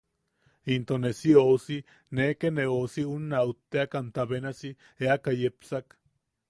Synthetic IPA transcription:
int̪onesiousi | nekeneosiunːaut̪ːeakant̪aβenasi | eakajepsak

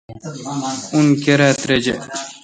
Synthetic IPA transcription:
unkeɾat̪ɾed͡ʑḛ

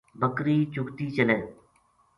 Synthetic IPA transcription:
bəkɾiːt͡ʃʊkt̪iːt͡ʃəleː

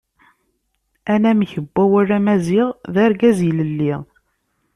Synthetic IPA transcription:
ænæmiçəbːæwæræmæziʁðæɾɡæziləlːiʁ

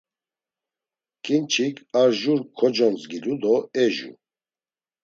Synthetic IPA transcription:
kʼint͡ʃʰikʰaɾʒuɾkʰɔd͡ʒɔnt͡sɡilud̪ɔɛʒṵ

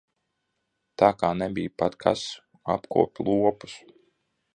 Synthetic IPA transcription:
t̪aːkaːnɛbʲijpat̪kʰa̰s | apkṵɔpʲlˠuɔpu̥s

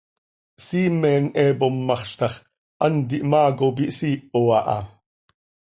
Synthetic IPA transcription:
siːmɛːnɛːbomːɑχʃt̪ɑχ | ʔɑnd̪iʔmɑːkop̬iʔsiːʔoɑʔɑ̰

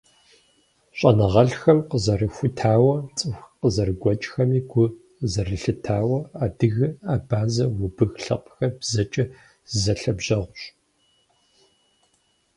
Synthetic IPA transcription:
ɕʼɐnɐʁɐɬxɐmqəzɐrɨxʷʊtʰaːwɐt͡sʼɨxʷqəzɐrɨɡʷɔt͡ʃʼxɐmiːɡʷʊ | zɐrɨɬɨtʰaːwɐaːdɨɣɨaːbaːzɐwʊbɨɣɬɐ̰qʼxɐbzɐt͡ʃʼɐ | zɐɬɐbʒɐʁʷʊɕʼ

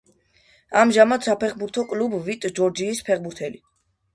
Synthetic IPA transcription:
amʒamad̪sapʰɛχbuɾt̪ʰɔkʼlubvit̪ʼd͡ʒɔɾd͡ʒiːspʰɛχbuɾt̪ʰɛli

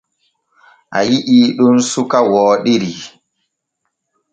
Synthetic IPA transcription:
ʔa̰jiʔiːɗunsukawɔːɗiɾi

